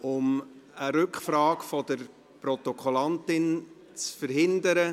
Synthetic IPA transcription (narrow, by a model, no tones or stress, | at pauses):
ʊməɾʏkχfraːkfɔd̪əɾ | pɾɔt̪ɔkʰɔlɑnt̪ɪn | t͡sfəɾɦɪnd̪əɾə